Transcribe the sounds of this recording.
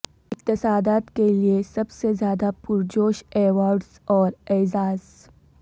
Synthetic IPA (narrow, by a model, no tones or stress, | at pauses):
ɪq̚t̪ɪsaːd̪aːt̪keliesɐbsezjaːd̪apʊɾd͡ʒoːʃeːwaːɾɖsɔːɾɛːzaːz